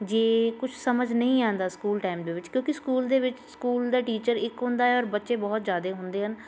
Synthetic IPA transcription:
d͡ʒeːkʊt͡ʃʰsəməd͡ʒnəĩːãːnd̪aːskuːlʈaːɪmd̪eːʋɪt͡ʃkjõːkɪskuːld̪eːʋɪt͡ʃskuːld̪aːʈiːt͡ʃəɾɪkɦʊ̃nd̪aːɦɛːɔːɾbət̪ːʃeːbɔːt̪zjaːd̪eːɦʊnd̪eːɦən

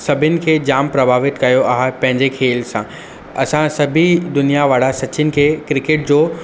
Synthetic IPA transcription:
sɐbʱɪnɪ̆kʰeːd͡ʑaːmpɾɐbʱaːʋɪt̪kɐjoʔaːɦpɐ̃ɦɪ̃ɲd͡ʑekʰeːlsã | ɐ̰sãsɐbʱid̪ʊnijaʋaːɽasɐt͡ɕɪnɪ̆kʰeːkɾɪkeʈ̚d͡ʑoː

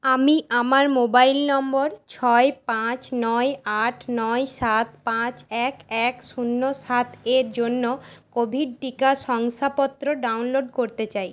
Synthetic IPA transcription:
amiʔamaɾmobailnɔmboɾt͡ɕʰɔepãt͡ɕnɔeaʈʰnɔeʃat̪̚pãt͡ɕɛkɛkʃunːoʃat̪ʰeɾd͡ʑonːokobʱiɖ̚ʈikaʃɔŋʃapɔt̪ːɾoɖawnloɖkoɾt̪et͡ɕaj

